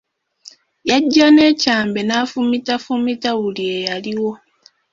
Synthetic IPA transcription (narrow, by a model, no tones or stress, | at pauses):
jaɟːane̞ːcaːmbe̞naːfumitafumitawulie̞jaliwo̞